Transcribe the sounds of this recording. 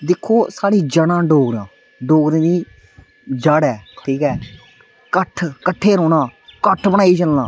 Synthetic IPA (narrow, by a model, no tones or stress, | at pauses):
d̪ɪkʰːoːsaːɽiːd͡ʒəɽãːɖoːɡɾãː | ɖoːɡɾẽːniː | d͡ʒaːɽɛːʈʰiːkɛː | kəʈʰkəʈʰːeːɾoːnãːkəʈʰbəɽaːiːd͡ʒəlnãː